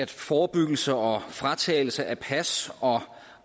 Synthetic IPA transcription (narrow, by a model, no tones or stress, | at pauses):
æd̥fɒːb̥yɡ̥l̩səɒ̽fʁɑt͡sʰɛ̰ːl̩səʔæpʰæsɒ̽